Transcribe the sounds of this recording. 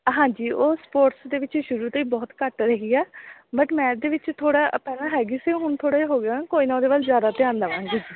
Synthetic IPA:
ɦãːd͡ʒiːʔoːspoːʈsd̪eːʋɪt͡ʃʃʊɾuːt̪əiːbɔːt̪kəʈɾəɦiːɛːbəʈmɛ̃ːd̪eːʋɪt͡ʃt̪ʰoːɽaːʔpɛːnaːɦɛːɡiːseːɦʊɳt̪ʰoːɽaːeɦoːɡãːkoːiːnãːd̪eːʋəlzjaːd̪aːt̪ɪjãːnd̪əʋãːŋɡeːd͡ʒiː

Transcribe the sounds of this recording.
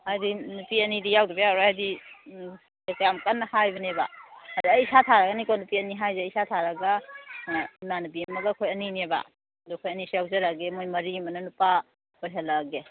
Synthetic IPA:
ajdinupiɐnidijawdubijawɾohajdi | ekjamkanːɐhajbɐnebaaduɐjsatʰaɾaɡɐnikonupiɐniɦajzeijsatʰaɾaɡa | imanubimɐɡɐkʰojɐnineba̰ | dukʰojɐnisiawzaɾaɡemojmɐɾimɐnɐnupa | ojɦɐlɐɡe

